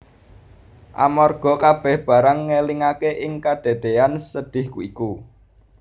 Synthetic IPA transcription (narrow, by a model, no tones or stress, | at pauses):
ʔa̰mɔrɡ̥ɔ̤kab̥ɛ̤hb̥ä̤ɾaŋːeliŋakeʔɪŋkad̪̥e̤d̪̥eansəɖ̥ɪ̤hkuiku